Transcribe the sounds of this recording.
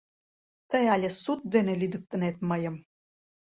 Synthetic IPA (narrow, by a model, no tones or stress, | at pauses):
t̪əjɑlʲesut̪̚d̪enelʲyd̪ə̆k̚t̪ə̆net̪̚məjə̆m